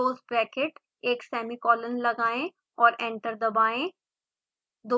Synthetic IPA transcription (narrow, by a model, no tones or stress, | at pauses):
oːzpɾɛːkeʈ | eːksɛːmikɔːlənlɐɡaːẽ | ɔːɾɛ̃ɳʈəɾd̪ɐbaːẽ | d̪o